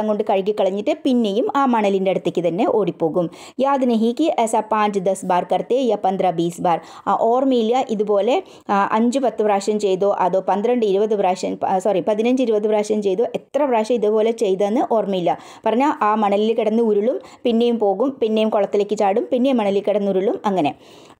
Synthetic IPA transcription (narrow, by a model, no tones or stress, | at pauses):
ɐŋɡo̞ɳɖɨkɐɻikːikːɐɭɐɲːiʈːɨpinːe̞jumaːmɐɳɐlindeɽut̪ːikʲːɨt̪ɐnːe̞ʔo̞ːɽipːo̞ːɣum | jaːd̪inɐɦikʲːiʔesɐpaːɲd͡ʑɨd̪ɐsbaːrkɐrt̪ːeːjɐpɐnd̪rɐbiːsbaːr | ʔoːrmiilːjɐʔiðupo̞ːle̞ | ɐ̰ɲd͡ʑɨpɐt̪ːɨbraːʂɐmt͡ɕe̞jðoːʔɐðoːpɐnd̪rɐɳɖɨiɾubɐðɨbraːkʂɐmsɐripɐðinɐɲd͡ʑɨiɾubɐðɨbraːkʂɐmt͡ɕe̞jðoːʔet̪rɐbraːʂɐmiðupo̞ːle̞t͡ɕe̞jt̪ɐenːɨʔoːrmiilːɐ | pɐrɐɲːaʔaːmɐɳɐlilkiɽɐnːɨuɾuɭumpinːe̞jumpo̞ːɣumpinːejumkoɭɐt̪ːileːkːɨt͡ɕaːɽumpinːe̞mːɐɳɐlilkiɽɐnːuɾuɭumɐŋːɐne̞